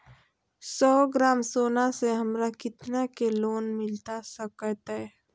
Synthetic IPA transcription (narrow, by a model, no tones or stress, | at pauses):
sɔːɡɾaːmsoːnaseɦəmɾakɪt̪nakeloːnmɪlt̪asəkət̪ɦɛ